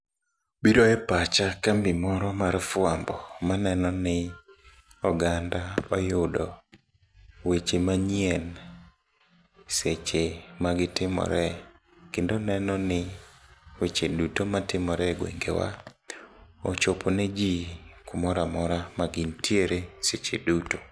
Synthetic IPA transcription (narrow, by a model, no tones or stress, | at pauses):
biɾoɛpat͡ʃakambimɔɾɔmaɾfʊambɔmanɛnɔnɪ | ɔɡandapajʊdɔ | wet͡ʃemaɲjɛn | set͡ʃemaɡɪtɪmɔ̰ɾɛ | kendonɛnɔnɪ | wet͡ʃedutomatɪmɔɾɛɡwḛŋɡḛwa̰ | ɔt͡ʃopʰɔned͡ʒikʊmɔɾamɔɾamaɡintʰjeɾeset͡ʃeduto